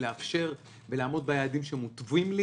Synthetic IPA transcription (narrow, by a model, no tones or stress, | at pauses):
leafʃe̞ʁ | velaːmo̞d̪̚bejaːd̪imʃeemut̪vimli